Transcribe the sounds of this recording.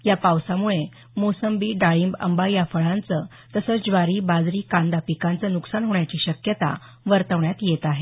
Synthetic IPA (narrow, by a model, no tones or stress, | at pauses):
japawsamuɭe | mosəmbiɖaɭimbə̰mbajafəɭant͡sə | t̪əsəːt͡sd͡ʑʋaɾiːbad͡zɾiːkãnd̪apikant͡sənuksanɦoɳjat͡ɕiːɕəkjət̪a̰ | ʋəɾt̪əʋɳjat̪jet̪aɦe